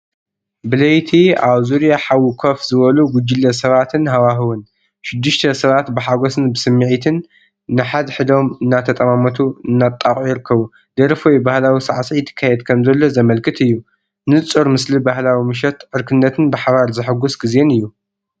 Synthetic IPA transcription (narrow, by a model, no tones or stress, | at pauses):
bɨlɐjt̪ʰiaβzuɾjaħawɨkʰofzɨβɐluɡʊd͡ʒːɪlːɐs̬ɐβat̪ʰɨnɦawaɦɨwɨn | ʃɪd̪ːɨʃt̪ʰɐsɐβat̪bɨħaɡosɨnbɨsɨmːɨʕit̪ʰɨnː | ɨħad̪ħɨd̪o̞mɨnːat̪ʰɐt̪ʼɐmamɐt̪ʰuɨnːat̪ʼːaχʼujɪɾɨkʰːɐβu | d̪ɐɾfojbahlawisaʕsit̪ʰːɨ̥kʰːajɛd̪kʰɐmzɐlːo̞zɐmɐlkʰɨt̪ʰɨjːu | nɨt͡sʼoɾmɨslibahlawimɨʃ̬ɛt̪ʕɨɾkʰɨnːɐt̪ʰɨnbɨħaβaɾzɨħɨɡusɡize̞nɨjːu